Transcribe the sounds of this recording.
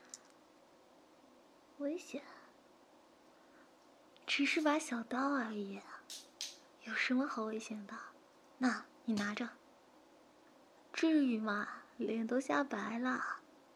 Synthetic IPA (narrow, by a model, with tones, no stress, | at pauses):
we˧˥ɪɕjɛ˨˩˦n | ʈ͡ʂʰɻ̩˧˥ʂɻ̩˥˩pa˧˥ɕjɑ˨˩ʊt̪ɑ˥˩ʊa˧˩˧ɛ˨˩ | jo˨˩ʊʂə˧˥nmə˧xɑ˨˧˥ʊwe˧˥ɪɕi˧˥ŋd̪ə˧ | na˥˩ni˨˩na˧˥ʈ͡ʂɤ˥˧ | ʈ͡ʂɻ̩˥˩y˨˩mɐ˧˩ljɛ˨˩nt̪o˧˥ʊɕja˥˩pa˧˥ɪlə˧